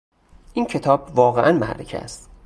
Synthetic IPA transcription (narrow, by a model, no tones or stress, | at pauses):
ʔincʰe̞t̪ʰɒːb̥vɒːɣeʔænmæ̰ʔɾḛcʰḛæ̰st̪